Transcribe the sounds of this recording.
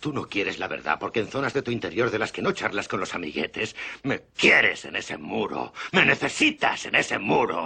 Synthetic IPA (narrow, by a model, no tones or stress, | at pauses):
t̪uno̞kje̞ɾe̞zlaβe̞̰ɾða̰poɾke̞ːnθo̞nazðe̞t̪uint̪e̞ɾjo̞ɾðe̞laskenot͡ʃaɾlasko̞nlosamḭɣe̞t̪e̞smekje̞ɾe̞̰se̞̰ne̞se̞̰muɾo̰me̞ne̞θe̞sit̪a̰se̞ne̞se̞muɾo̰